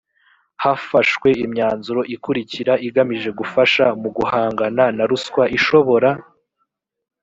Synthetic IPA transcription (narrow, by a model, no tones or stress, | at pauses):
hafaʃkwe̞imɲaːnzuɾo̞ʔikuɾiciɾaʔiɡamiʒe̞ɡufaʃamuɡuhaːŋɡananaɾuskwaʔiʃo̞βo̞ɾa